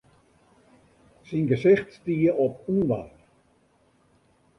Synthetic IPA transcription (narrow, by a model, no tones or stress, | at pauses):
sinɡəsɪxtstiəɔpunʋa̰